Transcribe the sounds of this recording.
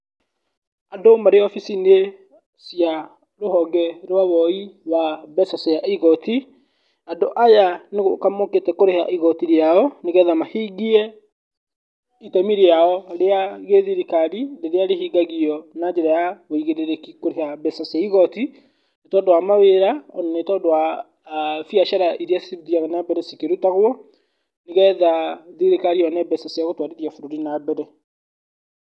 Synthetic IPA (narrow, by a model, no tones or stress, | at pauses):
andomaɾeɔfisine | sia | ɾohɔɡɛɾwaβɔiwaβɛsaseaiɣɔti | andoʔajaneɣokamoketɛkoɾeha̰ʔiɣɔtiɾeaɔneɣɛðamahiɡiɛ | itamiɾeaɔɾeaɣeðiɾikaɾileɾeaɾehiɡaɣiɔnad͡ʒeɾajaɣoiɣeɾeɾekikoɾehabɛsasaiɣɔti | netɔːndowamaweɾaɔnanetɔdowa | fjaʃaɾaʔiɾiasuðiaɣanabɛɾɛsikeɾutaɣwɔ | neɣɛðaðiɾekaɾiɔnɛbɛsasiaɣotwaɾeɾiafuɾoɾinabɛɾɛ